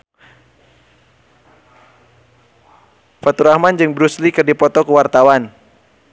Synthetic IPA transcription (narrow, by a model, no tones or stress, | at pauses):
fat̪uɾahmand͡ʒɨŋbɾuslikɨrdipɔt̪ɔkəwart̪awan